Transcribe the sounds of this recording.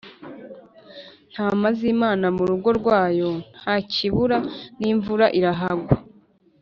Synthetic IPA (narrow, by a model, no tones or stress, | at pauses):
n̥haːmaziːmaːnamuɾuɡo̞ɾɡwaːjo̞n̥haːcʰiβuɾaniːɱvuɾaʔiɾaɦaɡwa